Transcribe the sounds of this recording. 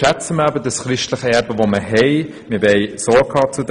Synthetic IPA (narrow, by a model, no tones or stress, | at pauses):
æt͡səmæbədəsχɾɪʃtləχəɛɾbəvoməɦɛɪ | mɪbɛɪsɔːkʰɑːt͡sud